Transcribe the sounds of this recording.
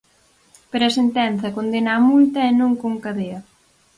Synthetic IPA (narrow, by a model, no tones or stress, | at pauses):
peɾɐsent̪ɛnθɐkond̪enamult̪ɐenõŋkoŋkaðeɐ